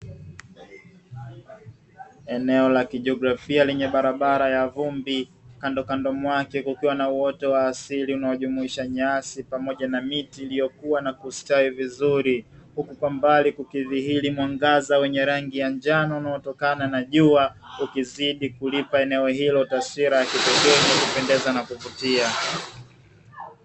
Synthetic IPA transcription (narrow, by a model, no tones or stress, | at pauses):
ɛnɛɔlakiʄɔɡɾafialɛɲɛɓaɾaɓaɾajavumbikandɔkandɔmwakɛkukiwanauwɔtɛwaːsiliunawaʄumuiʃaɲasipamɔʄanamitiːlijɔkuwanakustaivizuɾihukukwambalikukiðihilimwaŋɡazawɛɲɛɾaŋɡijaɲd͡ʒanɔunaɔtɔkananaʄuaukiziɗikulipaɛnɛɔɦilɔtasiɾajakitɔkɛnakupɛndɛzanakuvutia